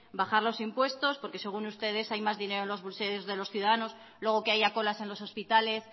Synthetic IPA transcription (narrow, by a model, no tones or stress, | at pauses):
baχaɾlo̞simpwe̞st̪o̞spo̞ɾke̞se̞ɣ̞unust̪e̞ð̞e̞sajmazðine̞ɾoe̞nlo̞zβulseozðe̞lo̞sθjuðaðano̞s | lwe̞ɣ̞okeajako̞lase̞nlo̞so̞spit̪ale̞s